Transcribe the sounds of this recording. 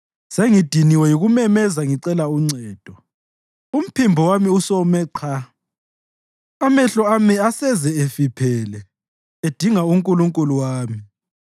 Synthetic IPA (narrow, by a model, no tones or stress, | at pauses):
seŋid̥ʱiniwɛjuɣumɛmɛzaŋiǀɛlauŋ͡ǀɛːd̥ʱɔ | um̩pʰimbʱɔwamiusɔmɛǀʰa | amɛɬɔamiasɛzɛefipʰɛːlɛ | ed̥ʱiŋauŋkʼuluŋkʼuluwaːmi